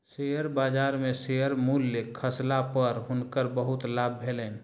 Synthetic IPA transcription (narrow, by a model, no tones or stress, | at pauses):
seɦəɾbaːd͡ʒaːɾmẽseɦəɾmulːəkʰːəslapəɾɦʊnkəɾbəɦʊt̪laːb̚bʱeːlɛːn